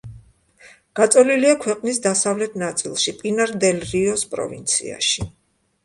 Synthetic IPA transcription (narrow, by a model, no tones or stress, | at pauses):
ɡ̥at̪sʼɔliliakʰwɛqʼnis̬d̪asavlɛt̪ʰnat̪sʼilˠʃipʼinaɾd̪ɛlɾiɔspʼɾɔ̰vḭnt̪sʰḭa̰ʃi